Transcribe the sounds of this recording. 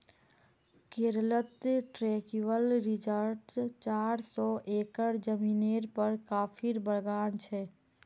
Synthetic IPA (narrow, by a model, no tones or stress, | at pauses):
keɾlət̪ʈɾeːkiwəlɾɪd͡ʒəɾʈt͡ʃaːɾsɔːʔeːkəɽd͡ʒəmiːneːɾpəɾkaːpʰiɾbəɽɡaːnt͡ʃʰɛː